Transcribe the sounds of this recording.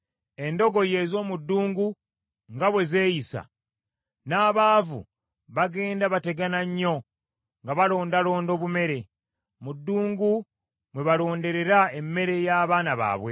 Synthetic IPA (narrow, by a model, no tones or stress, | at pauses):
e̞ndo̞ɡo̞je̞ːzo̞ːmudːuːŋɡu | ŋɡaβwe̞ze̞ːjisa̰ | naːβaːvṵ | βaɡe̞ːndaβate̞ɡanaɲːo̞ | ŋɡaβalo̞ːndalo̞ːndo̞ːβume̞ɾe̞ | mudːuːŋɡu | mwe̞βalo̞ːnde̞ɾe̞ɾae̞mːe̞ɾe̞jaːβaːnaβa̰ːβwe̞̰